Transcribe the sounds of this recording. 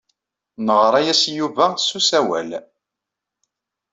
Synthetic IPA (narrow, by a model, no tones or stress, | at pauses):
nəʁɾˤæjæsjuvæsusæwæ̰l